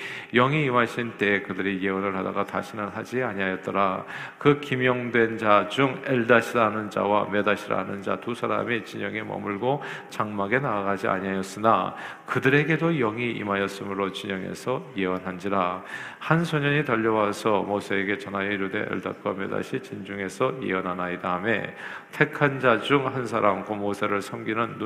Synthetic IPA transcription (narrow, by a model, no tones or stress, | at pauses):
jʌŋiːmaɕʰint͈e̞ːkɯdɯɾije̞ʌnɯɭhada̰ɡata̰ɕʰinɯnɦad͡ʑiaɲiɦajʌt̚t͈ʌɾakɯkimjʌŋdwe̞nd͡ʑad͡ʑuŋeɭdaɕʰiɾanɯnd͡ʑa̰wamjʌdaɕʰiɾa̰anɯnd͡ʑa̰tusʰaɾa̰mit͡ɕiɲʌŋemʌ̰muɭɡot͡ɕaŋmaɡe̞naːɡad͡ʑia̰ɲiɦajʌs͈ɯna̰ | kɯdɯɾe̞ɡe̞dojʌŋiʔḭmajʌs͈ɯmɯɾot͡ɕiɲʌŋḛsʰʌjeʌnɦand͡ʑiɾa | hansʰʌɲʌɲitʌʎːʌwasʰʌmosʰe̞ːɡe̞t͡ɕʌnajeiɾude̞̰ʔḛɭda̰t̚k͈wamjʌ̰da̰ɕʰit͡ɕind͡ʑuŋe̞sʰʌjḛʌnɦanaidame̞ | tʰe̞kʰand͡ʑad͡ʑuŋhansʰaɾamkomosʰe̞ɾɯɭsʰʌmɡinɯnː